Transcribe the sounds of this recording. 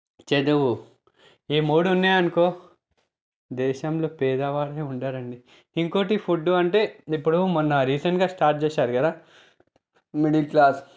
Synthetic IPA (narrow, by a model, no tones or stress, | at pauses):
t͡ʃed̪uʋu | iːmuːɽunːeːɐnkoː | d̪ɛːʃɐmlo̞ːpɛːd̪ɐʋaːɾeːuɳɖaːɾɐɳɖi | iŋkoːʈ̬ipʰuɖːuɐɳʈe̞ːipːuɽumɐnːɐɾiːsɐnɡaːsʈaːɾʈ̚t͡ʃeːʃaːɾukɐd̪aː | miɽilklaːs